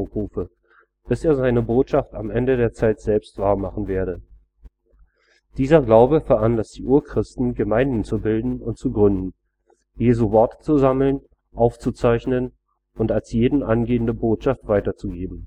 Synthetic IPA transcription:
ʁuːfə | b̥ɪseːɐzaɪnəboːtʃafta̰mʔɛndədeːɐt͡saɪtz̥ɛlpstv̥aːɐmaχn̩veːɐɾə | d̥iːzɐɡlaʊbəfɛɐʔanlastd̥iːʔuːɐkʁ̥ɪstn̩ɡəmaɪndn̩t͡subɪldn̩ʊntt͡suɡʁʏndn̩ | jeːzuvɔɐtt͡suzaml̩n | ʔaʊft͡sut͡saɪçnən | ʔʊntalsjeːdn̩ʔanɡeːəndəboːtʃaftv̥aɪtɐt͡suɡeːbm̩

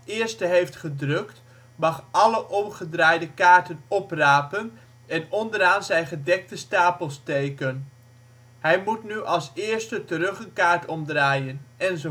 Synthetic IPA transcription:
ɪəɹstəɦejftχədrøkt | mɑχʔɑləʔɔmχədraːjdəkaːɹtənɔpraːpən | ɛnɔndəɾaːnzɛjχədɛk̚təstaːpəlˠstejkən | hɛjmutnyʔɑlˠsɪːɹstətərɵχənkaːɹtɔmdraːjənʔɛnzo

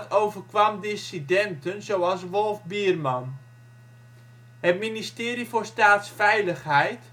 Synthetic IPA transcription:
towvərkʋamdɪsidɛntənzowɑlˠsʋolˠvbiərmɑn | hətministɪːɾifʊːrstaːtsfɛjləxɦɛjt

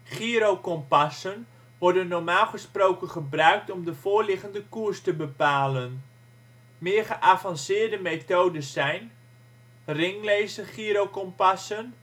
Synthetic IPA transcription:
χiɾowkɔmpasən | ʋɔɹdənːɔɹmaːlˠχəsprowkənχəbrœɥk̚tɔmdəfʊːɹlɪχəndəkurstəbəpaːlən | mɪərχəʔavɑnsɪːɹdəmetoːdəsɛjn | rɪŋleːsəχiəɾowkɔmpasən

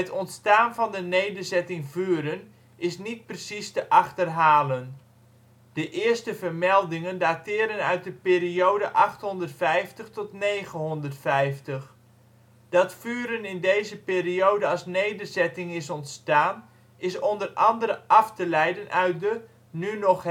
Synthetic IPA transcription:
ətɔntstaːnvɑndənejdərzɛtɪŋvyːəɾən | ʔɪsnit̚prəsistəʔɑxtərɦaːlən | d̥əʔɪərstəvərmɛlˠdɪŋəndaːtɪːəɾənœɥt̚dəpeːɾioːdəʔɑxthɔndərtfɛjftəxtɔtneːɣənɦɔndərtfɛjftəx | d̥ɑtfyːɾənɪndejzəpeːrioːdəɑsnejdərzɛtɪŋɪsɔntstaːn | ɪsɔndərɑndəɾəʔɑftəlɛjdənʔœɥt̚də | nynɔx

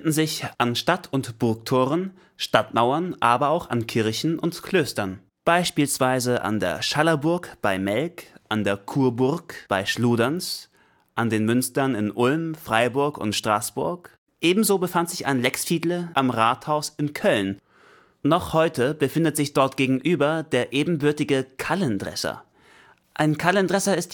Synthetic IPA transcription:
ndn̩zɪçʔanʃtatʰʊntb̥ʊɐk̚tʰoːʁən | ʃtatmaʊɐnʔaːbɐaʊxa̰nkʰɪɐçn̩ʔʊntkʰl̥øːstɐn | b̥aɪʃpiːlsv̥aɪzəʔa̰ndḛːɐʃalɐbʊɐkb̥aɪmɛlkʔandeːɐkʰuːɐbʊɐkb̥aɪʃluːdans | ʔandeːnmʏnstɐnɪnʔʊlmfʁ̥aɪbʊɐkʊ̰ntʃtʁ̥aːsb̥ʊɐk | ʔeːbm̩zoːbəfantz̥ɪça̰ɪnlɛksfiːdləʔamʁaːthaʊsɪnkʰœln | nɔχhɔʏtʰəbəfɪndətz̥ɪçd̥ɔɐtɡ̥eːɡŋ̩ʔyːbɐdeːɐʔeːbm̩bʏɐtɪɡəkʰaləndʁɛ̰sɐ̰ | ʔaɪnkʰaləndʁɛsɐɪst

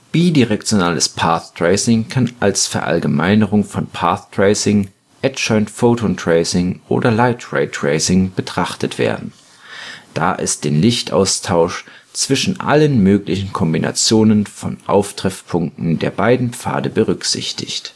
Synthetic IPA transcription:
b̥iːdiʁɛk̚t͡sjonaːləspʰaːθtʁ̥eɪsɪŋkʰanalsfɛɐʔa̰lɡəmaɪnəʁʊŋfɔnpʰaːθtʁ̥eɪsɪŋ | ʔɛtʃɔʏntfoːtontʁ̥eɪsɪŋʔo̰ːdɐlaɪtʁeɪtʁ̥eɪsɪŋb̥ətʁ̥aχtətv̥ḛːɐdn̩ | d̥a̰ːʔɪ̰st̚d̥eːnlɪçtʔa̰ʊstʰaʊʃt͡sv̥ɪʃn̩ʔa̰lənmøːklɪçn̩kʰɔmbinʔa̰t͡sjoːnənfɔnʔa̰ʊftʁ̥ɛfpʰʊŋk̚tn̩deːɐbaɪdn̩pp͡fa̰ːdəbəʁʏkz̥ɪ̰çtʰɪ̰çt

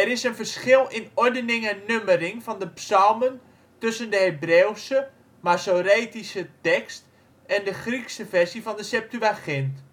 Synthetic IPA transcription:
ɛɾɪsənfərsχɪlˠɪnɔɹdənɪŋənːøməɾɪŋfɔndəpsɔlˠmən | tɵsəndəhebrewsə | masoɾeːtisətɛkst | ɛndəχriksəfɛrsifɔndəsɛp̚tyʋaχɪnt

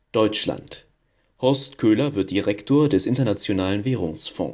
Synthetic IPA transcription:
d̥ɔʏt͡ʃla̰nt | hɔɐstkʰøːlɐvɪɐt̚d̥iʁɛktʰoːɐdɛsʔɪntɐnat͡sjonaːlənvɛːʁ̞ʊŋsfɔ̰̃ː

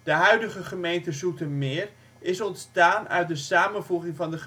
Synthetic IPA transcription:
d̥əɦœɥdəχəχəmejntəzutənmɪːɹ | ɪsɔntstaːnœ̰ɥt̚dəsaːmənvuχɪŋvɑndəχə

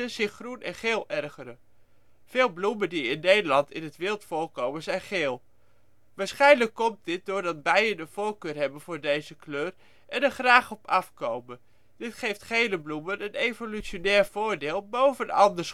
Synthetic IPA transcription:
əz̥ɪχrunɛnχeːlˠɛrχəɾə | v̥ɪːlˠbluməndiɪnːejdəlɑntɪnətʋɪːlˠtfʊːɹkowmənzɛjnχeːlˠ | ʋaːɹsχɛjnləkːɔmt̚dɪt̚dʊːɹdɑd̚bɛjdəndəv̥oːlkøːrɦɛbənvʊːɹdejzəkløːr | ʔɛnɛɹχraːχɔpʰɑfkowmən | d̥ɪtχejftχejləblumənənejvolyt͡ʃonɛːɹv̥ʊːɹdeːlˠbowvənɑ̰ndəɹs

